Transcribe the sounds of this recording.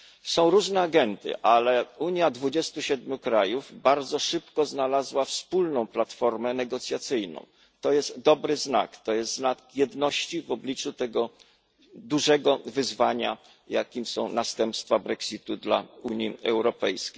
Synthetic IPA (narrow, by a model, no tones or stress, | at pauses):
sɔ̃w̃ɾuʐnɛaɡɛnd̪ɘ̰ʔalɛuɲjad̪vud͡ʑɛst̪uɕɛd̪̚mʲjukɾajuvbaɾd̪zɔʂɘpkɔznalazwafspulnɔ̃w̃plat̪fɔɾmɛnɛɡɔt̪sʲjat̪sɘjnɔ̰̃w̃ | t̪ɔjɛst̪d̪ɔbɾɘzna̰kt̪ɔjɛst̪znakjɛd̪nɔɕt͡ɕivɔblʲit͡ʂut̪ɛɡɔ | d̪uʐɛɡɔvɘzvaɲa̰ | ja̰kʲimsɔ̰̃w̃nast̪ɛmpst̪fabɾɛksʲit̪ud̪la̰uɲiɛwɾɔpɛ̰jskʲe̥